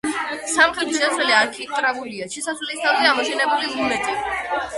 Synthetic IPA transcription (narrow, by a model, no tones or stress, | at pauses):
samχɛt̪ʼiʃɛsɛliaɾkʰit̪ʼɾaɡuliaʃɛsaslɛlist̪ʰavzɛamɔsʰɛnɛbulilunɛt̪ʼi